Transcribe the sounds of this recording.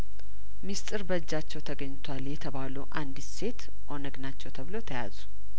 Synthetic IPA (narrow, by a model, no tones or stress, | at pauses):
mist̪ʼɨɾbəd͡ʒːat͡ʃːɛwt̪ʰəɡəɲːt̪ʰwaljɛt̪ʰəβaluʔand̪ɨse̞t̪ | ʔo̞nəɡnat͡ʃːɛwt̪ʰəβɨlo̞t̪ʰəja̰zu